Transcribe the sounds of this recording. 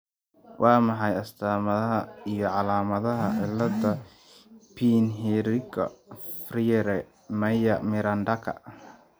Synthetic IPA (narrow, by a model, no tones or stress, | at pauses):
wʔɑːmɑħɑjɐst̪ʰaːmɐðɐɦɐijɞʕɑlaːmɐðɐɦɐʔɪlːɐd̪ɐ | pʰiːnɦɛɾɪkʰɐ̰friɾɛ | mɐjɐmɪɾɐnd̪ɐkʰɐ̰